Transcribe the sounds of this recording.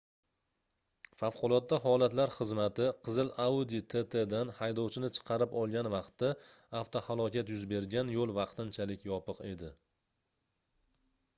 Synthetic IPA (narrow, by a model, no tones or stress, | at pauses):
fafqʊlˠɒt̪̚ːaɦɒlˠat̪laɾχɨzmat̪ɪqʰɨzɨlaud̪it̪ʰe̞t̪ʰe̞d̪anhajd̪ɒwt͡ʃʰɪnɪt͡ʃʰɨ̥qʰɑɾɪpɒlˠɡʲanvɑqt̪ːaːft̪ʰohalˠɒkʲat̪jʊzbe̞ɾɡʲanjolˠvɑqt̪ɪnt͡ʃʰalɪkʲjɒpɨqe̞d̪ɪ